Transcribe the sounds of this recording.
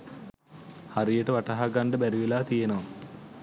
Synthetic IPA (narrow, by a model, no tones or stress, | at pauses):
haɾijəʈəʋaʈaɦaɡɐɳɖəbæɾiʋilaːt̪ijenɐʋa